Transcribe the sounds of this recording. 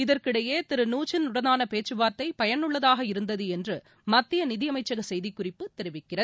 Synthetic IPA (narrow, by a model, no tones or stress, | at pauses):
ɪðɐrkɪɽɐjeːt̪ɪɾɯnuːt͡ʃɪnʊɽɐnaːnɐpeːt͡ʃːɯʋaːɾt̪ɐɪpɐjɐnɯɭːɐðaːɣɐɪɾɯnd̪ɐðɯɛndrɯ | mɐt̪ːɪjɐnɪðɪjɐmɐɪt͡ʃːɐɣɐsɛjðɪkːʊrɪpːɯt̪ɛɾɪʋɪkːɪrɐðɯ